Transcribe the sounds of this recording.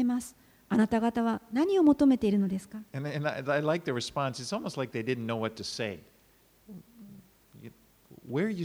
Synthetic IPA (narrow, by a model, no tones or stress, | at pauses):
emasɨ̥ | anat̪aɡat̪aβ̞anaɲ̟io̞mo̞t̪o̞me̞t̪eiɾɯ̟no̞d̪e̞sɨ̥kaɨ̃nɨ̃naaɪlaɪk̚ðɨɹɨspɑ̃nsɨtsɔlˠmoʊstˡlaɪk̚ðeɪdɪdⁿn̩nːoʊwʌtʰɨseɪ | j | wə˞jɨ